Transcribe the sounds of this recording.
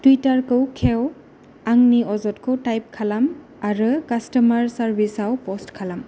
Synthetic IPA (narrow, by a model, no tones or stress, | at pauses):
twitaɹkɯwkʰɛw | aŋniɔzɔtkɯwtajp̚kʰalam | aɹukastɔmaɹsaɹbʱisawpɔstkʰalam